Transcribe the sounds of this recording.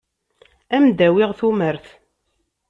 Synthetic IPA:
æmd̪æwiʁθuməɾθ

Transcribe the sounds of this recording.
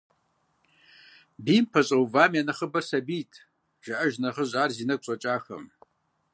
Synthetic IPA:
bimpʰɐɕʼɐwvaːmjanɐχəbɐrsabiːtʰʼ | ʒ̥aʔɐʒnɐχəʑʷaːrzinɐkʷʼɕʼɐt͡ʃʼaːxɐ̰m

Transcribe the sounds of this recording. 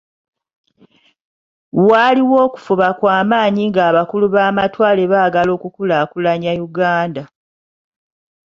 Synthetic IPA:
waliwo̞ːku̥fuβakwaːmaːɲiŋɡaːβakuluβaːmatwaːle̞βaːɡalo̞ːkukulakulaɲajuɡaːnda

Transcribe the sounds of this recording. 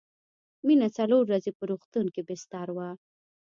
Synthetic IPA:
minat͡saloɾːazepəɾoxt̪unkebɪst̪aɾwa

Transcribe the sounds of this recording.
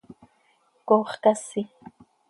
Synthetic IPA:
koχkasɪ

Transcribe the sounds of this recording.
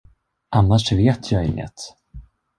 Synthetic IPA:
ʔanːaʂveːt̪ʰjɑːɪŋːə̰t̪

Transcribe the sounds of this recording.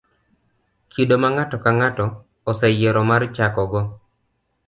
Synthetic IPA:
kidomaŋatɔkaŋatɔː | sɛjeɾɔmart͡ʃakɔɡɔ

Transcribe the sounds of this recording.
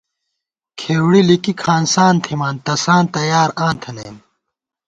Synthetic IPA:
kʰeːwɽilikikʰaːnsaːnt̪ʰimaːnt̪ɐsaːnt̪ɐjaːɾãːnt̪ʰɐnḛːm

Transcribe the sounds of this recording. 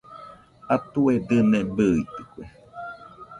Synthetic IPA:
at̪ued̪ɨnebɯit̪ɯ̥kʷe

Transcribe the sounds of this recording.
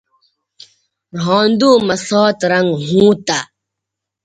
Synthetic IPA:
ɾɦɔ̃ːnd̪uːmɐsɔːt̪ɾɐŋɡɦũːt̪a

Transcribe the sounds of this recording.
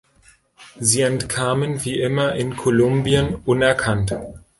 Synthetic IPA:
ziːɛntkʰaːmənviːʔɪmɐʔɪnkʰolʊmbiənʔʊnɛɐkʰant

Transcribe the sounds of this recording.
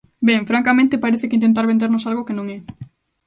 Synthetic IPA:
beŋfɾaŋkamẽnt̪epaɾeθekeint̪ent̪aɾβend̪eɾnosalɣokenõŋɛ

